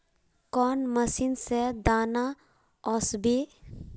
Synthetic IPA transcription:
kɔːnməsiːnsed̪aːna | ɔsbi

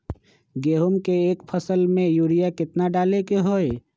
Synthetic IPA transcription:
ɡeːɦumkeeːkpʰəsəlmẽjuːɾijakɪt̪naɖaːlekeɦoːe

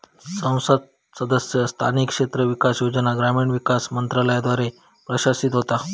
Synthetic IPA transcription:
sə̃w̃sət̪ | səd̪əsjəst̪ʰa̰nikʂet̪ɾəʋikasjod͡znaɡɾamiːɳʋikasmənt̪ɾaləjad̪ʋaɾe | pɾəɕasit̪ɦot̪a

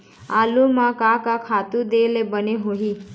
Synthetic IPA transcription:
aːlumãkakakʰaːt̪ud̪eːlebəneɦoɦi

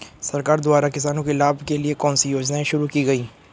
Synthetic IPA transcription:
sɐɾkaːɾd̪ʊaːɾakɪs̬aːnõkelaːbʱkeliekɔ̃ːnsijoːd͡ʒnaẽʃʊɾukiɡɐiː

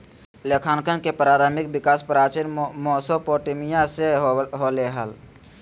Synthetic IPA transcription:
leːkʰaːnkənkepɾaːɾaːmɪk̚bɪkaːspɾaːt͡ʃinmoːsopoːʈemijãseɦoːleɦəl

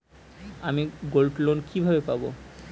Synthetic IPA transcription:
amiɡolʈlonkibʱabepabo

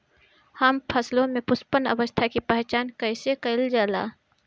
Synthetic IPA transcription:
həmpʰəslõmẽpʊspənə̰ʋəst̪ʰakipəɦt͡ʃaːnkəɪsekəɪld͡ʒaːla̰ː

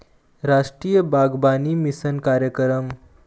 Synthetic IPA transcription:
ɾaʂʈɾiːjəbaɡbaniːmisənkaɾjəkɾəm

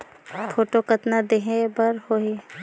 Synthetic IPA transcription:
pʰoːʈokət̪nad̪eɦẽbəɾhoɦi

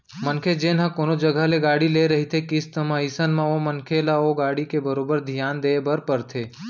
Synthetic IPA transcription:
mənkʰed͡ʒenãkonod͡ʒəɡʱaleɡaːɽileɾəɦit̪ʰekɪst̪əmãisənmãomənkʰelaoɡaːɽikebəɾoːbəɾd̪ʱjaːnd̪eebəɾpəɾt̪ʰeː

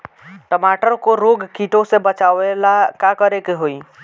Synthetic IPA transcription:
ʈəmaːʈəɾkoɾoɡkiʈõsebət͡ʃaːʋelakakəɾekeɦoːi

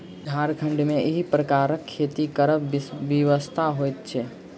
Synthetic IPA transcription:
dʱaːɾkʰə̃ɳɖmẽʔɪɦipɾəkaːɾəkʰːeːt̪ikəɾəʋəʋəst̪ʰaɦoːjt̪̚t͡ʃʰeː

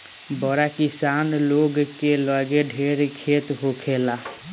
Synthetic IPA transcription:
bɔɾakisanloɡkeləɡeɖʱeɾkʰet̪ɦokʰela

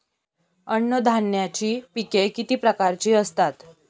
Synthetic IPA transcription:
əɳːəd̪ʱaɳjat͡ɕiːpikekit̪iːpɾəkaɾt͡ɕiːəst̪at̪

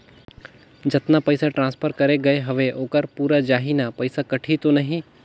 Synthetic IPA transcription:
d͡ʒɐt̪napɐɪsaʈɾãːnspʰəɾkɐɾeɡɐeɦɐʋeʔoːkəɾpuːɾad͡ʒaːɦinapɐɪsakɐʈʰit̪onɐɦĩ

